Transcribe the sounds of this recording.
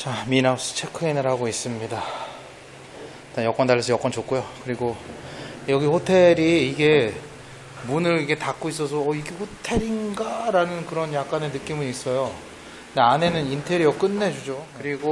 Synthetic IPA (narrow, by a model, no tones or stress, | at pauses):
t͡ɕaminaus͈ɯ̥t͡ɕʰekʰɯinɯɾɦaɡois͈ɯmɲida | t͈anjʌk͈wʌndaɭːʌsʰʌjʌk͈wʌnt͡ɕok͈ujokɯɾiɡo | jʌɡihotʰe̞ɾiːɡe̞ | munɯɾiɡe̞tak͈ois͈ʌs̬ʰʌːiɡe̞ɸotʰe̞ɾinɡaɾanɯnkɯɾʌnjak͈ane̞nɯk͈imɯnis͈ʌjo | eane̞nɯnintʰe̞ɾiʌk͈ɯnːe̞d͡ʑud͡ʑokɯɾiɡo